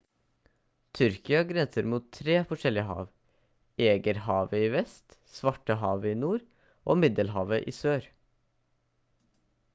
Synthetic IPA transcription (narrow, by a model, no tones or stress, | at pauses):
t̪ʰʏɾkɪɑɡɾɛsəɾmuːt̪ʰːɾeːfɔʂɛlɪəhɑ̰ːʋ | eːɡəɾhɑːʋəiːʋɛst̪sʋɑʈəɦɑːʋəiːnuːɾ | ʔo̰ːmɪd̪əlɦɑːʋəʔḭːsøːɾ